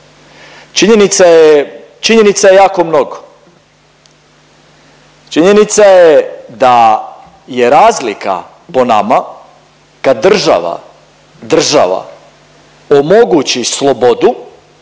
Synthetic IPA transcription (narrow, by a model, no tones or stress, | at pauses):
t͡ʃiɲenit̪saje | t͡ʃiɲe̞nit̪sajejaːko̞mno̞ɡo | t͡ʃiɲe̞nit̪sajed̪a | jeɾaːzlika̰ | po̞na̰ma | kad̪̚dːr̩ʒa̰ʋa̰ | d̪r̩ʒa̰ʋa̰ | omo̞ɡut͡ɕislˠo̞bod̪u